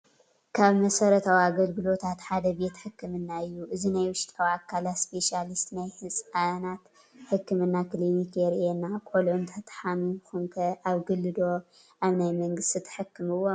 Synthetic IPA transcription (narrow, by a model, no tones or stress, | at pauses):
kʰaβmɐsɐɾɐt̪ʰawiaɡɐlɡɨlo̞t̪ʰat̪ħad̪ɐbe̞t̪ħɨkːɨmɨnːaɨjːuʔɨzinajwʊʃt̪ʼawakʰːalatspʰe̞ʃalist̪najhɨsʼanat̪ | ħɨkːɨmɨnːaklinikʰeɾenːakʷʼolʕunt̪ʰɐt̪ʰʼħanukuŋkʰɐʔaβɡɨlːɨd̪o̞ | ʔaβnajmɐŋɡɨst̪ʰit̪ʰɐ̥ħɨkːɨmɨwːo